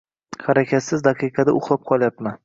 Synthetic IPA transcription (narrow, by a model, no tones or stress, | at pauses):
haɾakʲʰat̪sɪzd̪ɑqʰɨjqʰɑd̪aʊχlˠap̚qʰɒlˠjapman